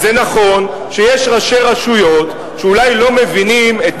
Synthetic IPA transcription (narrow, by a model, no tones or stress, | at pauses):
zenaχo̞n | ʃejeʃʁaʃe̞ʁaʃujo̞t̪ | ʃeulajlo̞me̞vinimet